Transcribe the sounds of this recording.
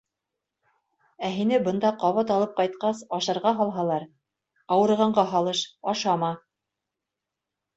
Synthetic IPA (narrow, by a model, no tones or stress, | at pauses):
æɦinɘbɤ̆nd̪ɑqɑβɑt̪ɑlˠɤp̚qɑjt̪̚qɑsɑʃɤ̆ɾʁɑɦɑlˠɦɑlˠɑɾ | ɑwɤ̆ɾʁɑɴɢɑɦɑlˠɤʃɑʃɑmɑ